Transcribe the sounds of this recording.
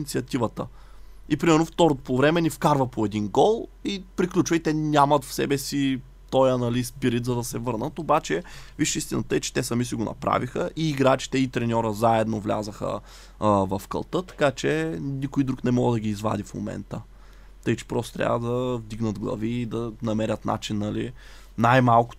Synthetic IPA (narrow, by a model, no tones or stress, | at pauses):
nit̪siɐt̪ivət̪ə | ipɾimɛɾnoft̪ɔɾot̪opovɾɛmɛnifkaɾvəpoɛd̪inɡɔlˠipɾiklʲut͡ʃvəit̪ɛnʲamɐt̪fsɛ̰bɛsi | t̪ɔjɐnɐlispiɾit̪zɐd̪ɐsɛvɤɾnət̪obat͡ʃɛviʃist̪inət̪əɛt͡ʃɛ̥t̪ɛsɐmisiɡonɐ̰pɾa̰vixəʔiːɡɾat͡ʃi̥t̪ɛit̪ɾɛnʲɔɾəzaɛd̪novlʲa̰zəxə̰ | vɐfkɐ̰lˠt̪ət̪ɐ̥kat͡ʃɛnikʊjd̪ɾuknɛmɔɡəd̪ɐɡʲiːzva̰d̪ifmo̰mɛ̰nt̪ə | t̪ɤjt͡ʃɛ̥pɾɔst̪o̥t̪ɾʲa̰vəd̪ɐvd̪iɡnəd̪ɡlˠɐ̰viːd̪ɐnɐmɛɾʲət̪na̰t͡ʃinːɐli | najmalˠkʊ̥